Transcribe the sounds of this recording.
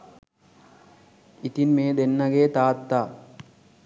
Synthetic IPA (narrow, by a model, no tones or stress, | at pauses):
it̪inmeːd̪enːɐɡeːt̪aːt̪ːaː